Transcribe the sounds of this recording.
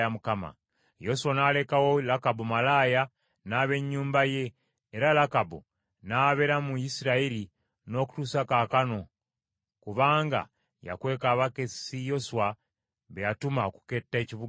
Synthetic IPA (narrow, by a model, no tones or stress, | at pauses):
jamukama̰ | jo̞suwanaːle̞kawo̞lakabumalaːja | naːβe̞ɲːuːmbaje̞ː | ɾalakabu | naːβe̞ɾamujisiɾaiɾi | no̞ːku̥tuːsakakano̞ | kuβaːŋɡa̰ | ja̰kwe̞ːkaːβake̞sijo̞suwa | βejatumaoku̥ke̞tːeciβu